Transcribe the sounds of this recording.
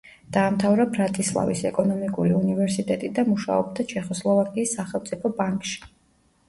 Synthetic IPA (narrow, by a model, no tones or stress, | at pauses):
d̪̥aːmt̪ʰavɾabɾat̪ʼislˠa̰vḭsɛkʼɔnɔmikʼuliunivɛɾsit̪ʼɛt̪ʼid̪amuʃa̰ɔb̚d̪at͡ʃʰɛχɔslˠɔvakʼiːsːaχɛlˠmt̪sʼipʰɔbaŋkʼʃi̥